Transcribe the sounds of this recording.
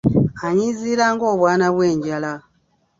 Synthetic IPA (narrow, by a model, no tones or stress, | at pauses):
aɲiːziːɾaːŋɡo̞ːβwaːnaβwe̞ːɲɟala